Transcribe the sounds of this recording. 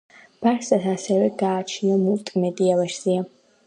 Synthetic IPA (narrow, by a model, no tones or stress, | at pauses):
b̥aɾsasasɛvɛɡaːt͡ʃʰniɔmulˠt̪ʼmɛd̪iavɛʃzia